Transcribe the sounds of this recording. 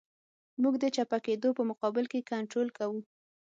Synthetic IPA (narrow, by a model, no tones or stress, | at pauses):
muɡd̪ət͡ʃapaked̪opəmʊqɑbɪlkekaɳʈɾolkawu